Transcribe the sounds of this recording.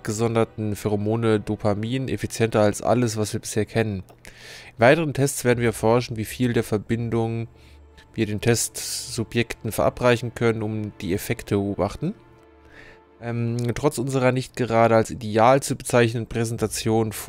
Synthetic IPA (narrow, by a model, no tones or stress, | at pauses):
pɡ̥əzɔndɐtn̩fɛʁomoːnədopʰamiːnnefit͡sjɛntɐalsʔa̰ləsv̥asv̥iːɐbɪ̥sheːɐkʰɛnən | ɪnvaɪtəʁ̞əntʰɛstt͡sv̥eːɐdn̩viːɐfɔɐʃ̬n̩viːfiːldeːɐfɛɐbɪndʊŋ | viːɐɾeːntʰɛstz̥ʊpjɛktn̩fɛɐʔa̰pʁ̥aɪçn̩kʰœnənʊmd̥iːefɛktʰəbəʔoːbaχtn̩ | ʔɛmtʁ̥ɔt͡sʔʊnzəʁɐnɪçt̚ɡ̥əʁaːɾəalsʔḭdeaːlt͡subət͡saɪçnənpʁ̥ɛzɛntat͡sjoːnf